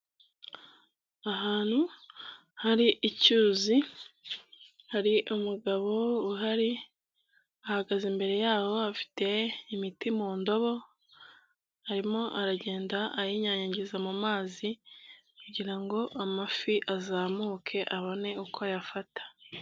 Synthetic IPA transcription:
aɦaːn̥hu | haɾiʔːcuːzi | haɾiʔumuɡaβo̞uɦaɾi | ahaɡazimbe̞ɾe̞jaːho̞afi̥te̞imitimuːndo̞βo̞ | haɾimo̞ʔaɾaɟe̞ːndaʔːjiɲaɲaɲɟizamumaːzikuɟiɾaŋɡo̞ʔamafiʔazaːmuːkʰe̞ʔaβo̞ne̞ukʰo̞jafatḁ

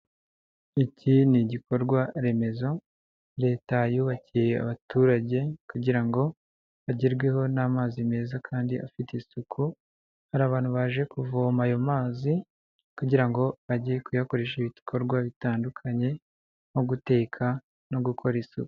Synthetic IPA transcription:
iciniɟiko̞ɾɡwaɾe̞me̞zo̞ | ɾe̞ːtajuːβacije̞a̰βatuɾaɟe̞kuɟiɾaŋɡo̞ | βaɟiɾɡwe̞ho̞naːmaːzime̞ːzakʰaːndiafiteisukʰu | haɾaːβaːn̥huβaːʒe̞kuvomajo̞maːzi | kuɟiɾaŋɡo̞βaɟijekujako̞ɾeʃiβikʰo̞ɾɡwaβitaːndukʰaɲe̞ | mo̞ɡute̞ːkʰa | no̞ɡukʰo̞ɾisṵku̥

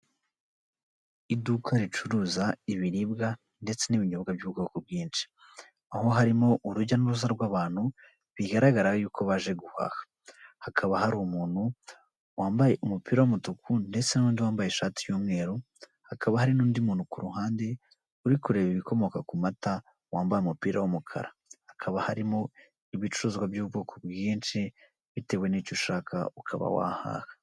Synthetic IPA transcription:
idukʰaɾit͡ʃuɾuːzaiβiɾibɡa | nde̞t͡se̞niβiɲobɡabjuːɡokubɡiːnt͡ʃi̥ | aho̞ɦaɾimo̞ʔuɾuɟanuɾuzaɾɡwaːβaːn̥hu | βiɡaɾaɡaɾajuːkʰo̞βaʒe̞ɡuha̰hḁ | hakʰaβahaɾumuːn̥hu | waːmbaje̞ʔumupiːɾawmutukʰunde̞t͡senauːndiwaːmbajeʃaːtijomŋe̞ːɾo | hakʰaβahaɾinuːndimuːn̥hukuɾuhaːnde̞ | uɾikuɾe̞βiβiko̞mo̞kakumata | waːmbajumupiːɾawomukʰa̰ɾa | hakʰaβahaɾimo̞ | iβit͡ʃuɾuːzɡwabjuːbɡoːkʰobɡiːnʃi | βite̞we̞niːcoʃaːkʰa̰ukʰa̰βa̰wa̰ha̰ːhḁ

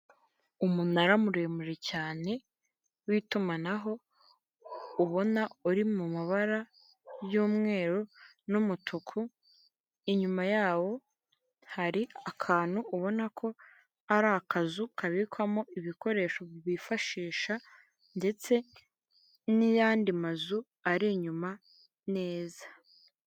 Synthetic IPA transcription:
umunaɾamuɾe̞ːmuʒe̞caːne̞ | witumanaɦo̞ | uβo̞nauɾimumaβaɾa | juːmŋe̞ːɾo | numutʰukʰu | iɲumajaːwo̞ | haɾiakʰaːn̥huːβo̞nakʰo̞ | aɾakazukaβikwamoʔiβiko̞ɾe̞ːʃoβifaʃiːʃa | nde̞t͡se̞ | nijaːndimazu | aɾiɲuma | ne̞ːzḁ

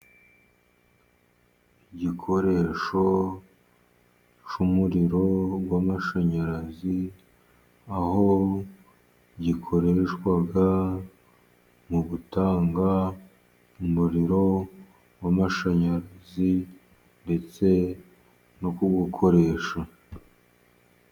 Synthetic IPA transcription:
ɟikʰo̞ɾe̞ʃo̞ | t͡ʃumuɾiɾo̞ɡwamaʃaɲaɾazi | aho̞ | ɟikʰo̞ɾe̞ʃkwaɡa | muɡutaːŋɡa | umuɾiɾo̞ | wamaʃaɲaɾazi | nde̞t͡se̞ | nokuɡukʰo̞ɾe̞ːʃa

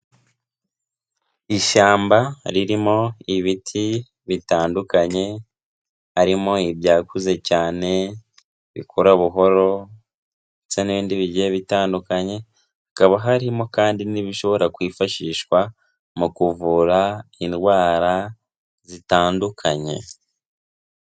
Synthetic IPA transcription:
iʃaːmbaɾiɾimo̞iβitʰi | βitaːndukaɲe̞ | haɾimo̞ibjaːkuze̞caːne̞ | βḭkʰoɾaβuɦo̞ɾo̞ | t͡seniβiːndiβiɟieβitaːndukaɲe̞ | akaβaɦaɾimo̞kaːndiniβiʃo̞βo̞ɾakwiːfaʃiːʃkwa | mukuvuɾainɡwaːɾa | zitaːndukʰaɲe̞̰

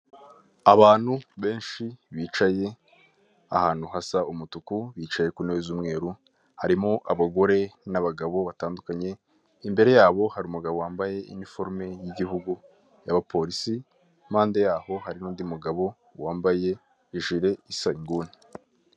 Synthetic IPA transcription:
aβaːn̥huβe̞ːnʃiβiːt͡ʃaje̞ | ahaːn̥huhasaumutukuβiːt͡ʃaje̞kuneβezumŋe̞ːɾu | haɾimoʔaβaɡo̞ɾe̞naβaɡaβo̞βataːndukaɲe̞ | imbe̞ɾe̞jaːβo̞haɾiuːmuɡaβo̞waːmbaje̞ḭnifo̞ɾme̞jiɟihuɡu | jaβapʰo̞ɾisi | maːndejaːho̞haɾinuːndimuɡaβo̞ | waːmbaje̞ | iʒiɾe̞isaŋɡuːni

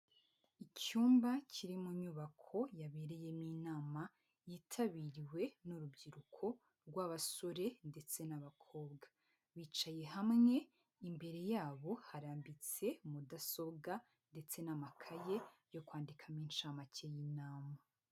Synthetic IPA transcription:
icuːmbacʰiɾimuɲuβakʰo̞jaβeɾeje̞minaːma | jitʰaβiɾiwe̞nuɾubɟiɾukʰo̞ | ɾɡwaβaso̞ɾe̞nde̞t͡se̞naβakʰo̞ːb̚ɡa | βiːt͡ʃaje̞ɦamŋe̞ | imbe̞ɾe̞jaːβo̞haɾaːmbit͡se̞mudaso̞bɡa | nde̞t͡se̞namakʰaje̞jo̞kwaːndikʰamiːnʃaːmacejinaːma

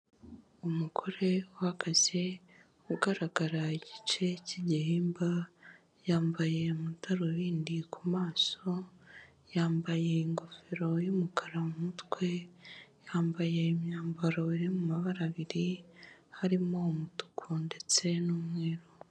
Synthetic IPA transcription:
umukʰo̞ɾe̞uhaɡaz̥e | uɡaɾaɡaɾaiɟit͡ʃe̞ciɟihiːmba | jaːmbaje̞mutʰaɾoβiːndikʰumaːso̞ | jaːmbaje̞iŋɡo̞fe̞ɾo̞jumukʰaɾamumutkwe̞jaːmbaje̞imɲaːmbaɾoiɾemumaβaɾaβiɾihaɾimo̞mutu̥kʰunde̞t͡se̞numŋe̞ːɾo

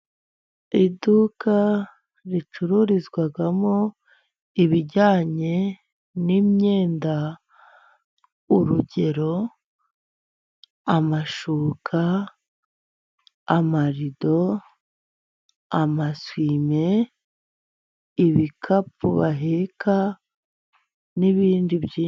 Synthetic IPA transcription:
idukʰa | ɾit͡ʃuɾuɾizɡwaɡamo | iβiɟaːɲe̞ | nimɲe̞ːnda | uɾuɟe̞ɾo̞ | amaʃuːkʰa | amaɾido̞ | amaswiːme̞ | iβikʰapuβaɦekʰa | niβiːndiβji

